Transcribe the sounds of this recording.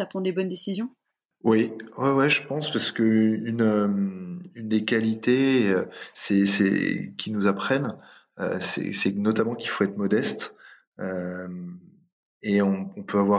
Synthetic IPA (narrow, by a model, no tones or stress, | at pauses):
apχɑ̃d̪ebɔnd̪esizjɔ̃ | wɛwɛwɛʒəpɑ̃spaʁsə̥kəynømynd̪ekʲalit̪eøsɛsɛ̰kʲinuzapχɛn | ø̰sɛ̰sɛnɔt̪amɑ̃kʲi̥lfoɛt̪χmɔd̪ɛst̪ | øm | eɔ̃ːpʰøavwa